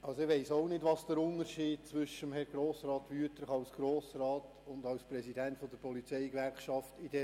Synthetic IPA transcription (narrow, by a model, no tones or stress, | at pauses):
ʔɑlsoɪʋɛɪsoʊnɪdʋɑsd̥əɾʊnəɾʃiːd̥̚t͡sʋʏʃəmhɛɾɡɾoːsɾɑːtʋyətɾχɑʊsɡ̥ɾoːsɾɑːt | ʊndɑwspɾɛsidɛntfɔd̪əɾpɔlit͡sɛɪkʋɛɾkʃɑftid̥ɛ